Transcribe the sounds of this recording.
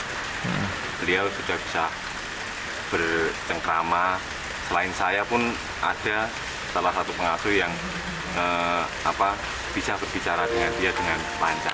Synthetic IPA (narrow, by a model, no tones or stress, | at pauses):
b̥əliawsud͡ʒab̥i̥sa | b̥ərt͡ʃəŋkɾama | səlaɪnsajapʊn | a̰d̥a̤ | salahsat̪upəŋasʊjaŋ | ə | apa | b̥isahb̥ərb̥it͡ʃaɾad̥əŋandiadəŋan | laɲt͡ʃa̰